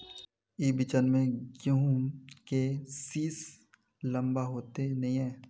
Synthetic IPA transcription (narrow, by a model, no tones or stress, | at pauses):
iːbɪt͡ʃənmẽɡjũkesiːs | lɐ̃mbaɦoːt̪enɐɦĩɦɛ̃ː